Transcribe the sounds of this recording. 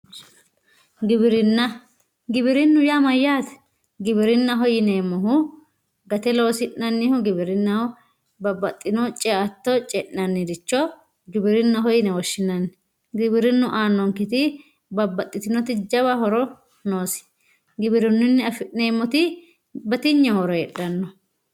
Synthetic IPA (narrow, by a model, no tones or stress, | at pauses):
ɡɪbɪɾɪnːɐ | ɡɪbɪɾɪnːʊjamɐjːaːt̪ɛ̥ | ɡɪbɪɾɪnːɐɦɔjɪneːmːɔɦʊ | ɡɐt̪ɛlo̞ːsɪʔnɐnːɪhʊɡɪbɪɾɪnːɐhʊ | bɐbːɐt̪ʼːɪnɔt͡ʃʼɛat̪ːɔt͡ʃʼɛʔnɐnːɪd̪ɪt͡ʃːɔ | ɡɪbɪɾɪnːɐɦɔjɪnɛwɔʃːɪnɐnː | ɡɪbɪɾɪnːʊʔaːnːɔŋkɪt̪ɪ | bɐbːɐt̪ʼːɪt̪ɪnɔt̪ɪd͡ʒɐβɐɦɔɾɔ | noːsɪ̥ | ɡɪbɪɾɪnːɪnːɪɐfɪʔneːmːɔt̪ɪ | bɐt̪ɪɲːɔhɔɾɔjɛᶑɐnːɔ